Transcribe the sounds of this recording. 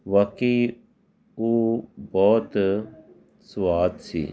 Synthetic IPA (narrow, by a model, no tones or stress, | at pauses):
ʋɐkiː | oːbɔːt̪ | swaːd̪sḭː